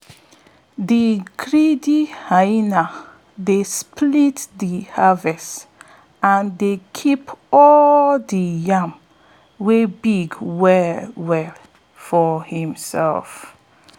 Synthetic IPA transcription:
dikɹidihaina | desplitdihavɛst | ãndekʰipʰɔldijãm | webiɡwɛwɛ | fɔhĩmsɛ̰lf

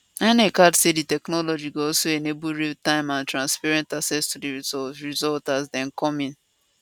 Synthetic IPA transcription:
ɛnekadseditɛknɔlɔd͡ʒiɡoɔsoenebuɹitãɪ̃mãntɹãnspaɹɛ̃ntaksɛstudiɹizɔltazdɛ̃nkɔmĩn

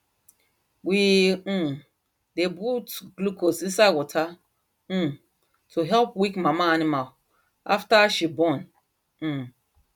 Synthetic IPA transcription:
wĩ | debutɡlukosĩnsawɔtʰã | tʰuɦɛlpwikmamaanimal | a̰ftaʃibɔ̃n̩

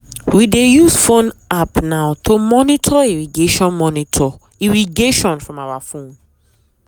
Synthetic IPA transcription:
widejusfõnapnaʊtʰomɔnitʰɔiɹiɡeʃɔ̃nmɔnitʰɔ | iɹiɡeʃɔ̃nfɹɔ̃mawafõn

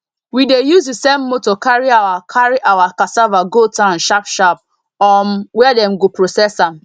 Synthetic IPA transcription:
widejuzdisemːotɔkaɹiawakʰaɹiʔawakasavaɡotãʊ̃nʃapʃap̚ | ɔnwɛdɛ̃mɡopɹosɛsãm

